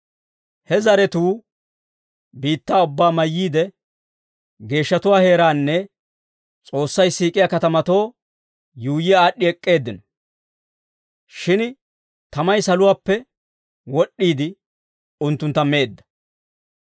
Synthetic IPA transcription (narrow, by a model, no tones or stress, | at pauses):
hɛzɐɾɛt̪uː | biːt̪ːaːʊbːaːmɐjːiːd̪ɛ | ɡe̞ːʃːɐt̪ʊwaːhe̞ːɾaːnːɛ | t͡sʼo̞ːsːɐjsiːkʼɪjaːkɐt̪ɐmɐt̪o̞ː | juːjɪjaːɗːɪɛkʼːe̞ːd̪ːɪnɔ | ʃɪn | t̪ɐmɐjsɐlʊwaːpːɛ | wɔɗːiːd̪ɪ | ʊnt̪ːʊnt̪ːɐme̞ːd̪ːɐ̥